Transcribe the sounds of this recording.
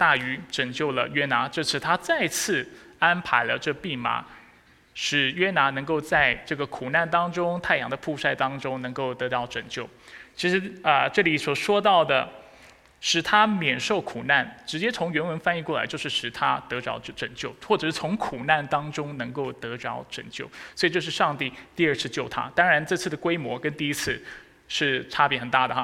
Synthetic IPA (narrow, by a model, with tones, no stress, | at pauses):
t̪a˥˩y˧˥ʈ͡ʂɤ˨˩ŋt͡ɕjo˥˩ʊlə̰˩ɥɛ˥na˧˥ʈ͡ʂɤ˥˧t͡sʰɹ̩˥˩t̪ʰa˥t͡sa˥˧ɪt͡sʰɹ̩˥˩a˥npʰa˧˥ɪlə̰˧ʈ͡ʂɤ˥ɡpi˥˩ma̰˧˥ | ʂɻ̩˨˩ɥɛ˥na˧˥nɤ˧˥ŋko˥˧ʊt͡sa˥˧ɪʈ͡ʂɤ˥˩ɡə˩kʰu˨˩na˥˩nt̪ɑ˥ŋʈ͡ʂʊ˥ŋt̪ʰa˥˩ɪjɑ̰˧˥ŋd̪ə˧pʰu˥˧ʂa˥˩ɪt̪ɑ˥ŋʈ͡ʂʊ˥ŋnɤ˧˥ŋko˥˩ʊt̪ɤ˧˥t̪ɑ˥˩ʊʈ͡ʂɤ˨˩ŋt͡ɕjo˥˩ʊt͡ɕʰi˧˥ʂɻ̩˧˥ə˧ʈ͡ʂɤ˥˩li˨˩˥swɔ˨˩ʂwɔ˥t̪ɑ˥˩ʊd̪ə˩ | ʂɻ̩˨˩t̪ʰa˥mjɛ˨˩nʂo˥˩ʊkʰu˨˩na˥˩nʈ͡ʂɻ̩˧˥t͡ɕjɛ˥t͡sʰʊ˧˥ŋɥɛ˧˥nwə˧˥nfa˥˧ni˥˧kwɔ˥˩la̰˧ɪjo˥˧ʊʂɻ̩˥˩ʂɻ̩˨˩t̪ʰa˥t̪ɤ˧˥ʈ͡ʂɑ̰˧˥ʊʈ͡ʂə˨˩ŋt͡ɕjo˥˩ʊxwɔ˥˩ʈ͡ʂɤ˨˩ʂɻ̩˥˩t͡sʰʊ˧˥ŋkʰu˨˩na˥˩nt̪ɑ˥ŋʈ͡ʂʊ˥ŋnɤ˧˥ŋko˥˩ʊt̪ɤ˧˥ʈ͡ʂɑ˧˥ʊʈ͡ʂə̰˨˩ŋt͡ɕjo˥˩ʊswɔ˧˥i˨˩t͡ɕjo˥˧ʊʂɻ̩˥˧˩ʂɑ˥˧ŋt̪i˥˧t̪i˥˧ə˞˥˧t͡sʰɹ̩˥˧t͡ɕjo˥˩ʊt̪ʰa̰˥t̪ɑ˥ŋɻa˧˥nʈ͡ʂɤ˥˧t͡sʰɹ̩˥˩d̪ə˩kwe˥ɪmwɔ˧˥kə˥nt̪i˥˩i˥t͡sʰɹ̩˥˧ | ʂɻ̩˥˩ʈ͡ʂʰa˥pjɛ˧˥xə˨˩nt̪a̰˥˩d̪ə˩x